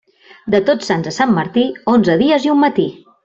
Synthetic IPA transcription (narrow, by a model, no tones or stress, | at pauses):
d̪ət̪ot͡sːanzəsamːəɾt̪ionzəðiəziumːət̪i